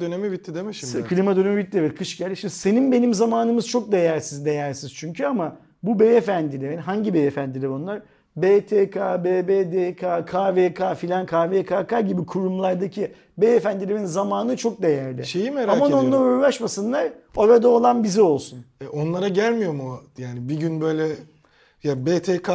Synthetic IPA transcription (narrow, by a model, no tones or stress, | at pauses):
d̪ønemibit̪ʰːid̪emɛʃimkʰɯlʲimad̪ø̞nemibit̪̚ːʲievɛt̪kʰɯʃɟælʲd̪ʲiʃimd̪ise̞ninbe̞nimzamaːnɯmɯz̥t͡ʃʰo̞k̚d̪e̞jæɾsizd̪e̞jæɾsiz̥t͡ʃʰyɲcʰyama | bubeefænd̪ilʲevɦaɲɟibeefænd̪ilʲibo̞nlˠaɾ̥ | bet̪ʰekʰabeːbed̪ekʰakʰaːvekʰaːfilʲankʰaːvekʰaːkʰaɟibikʰuɾumlˠaɾd̪acʰi | beefænd̪ilʲiinzamaːnɯt͡ʃʰo̞k̚d̪e̞jæɾlʲɪ̰ʃejimheɾalmano̞nlˠaɾujlˠaʃmasɯnlˠaɾoɾad̪aolˠanbizio̞lˠsunɛʔo̞nlˠaɾaɟælʲmijo̞ɾmojaːnibiɟynbø̞jlʲɛ | jabeːt̪ʰekʰa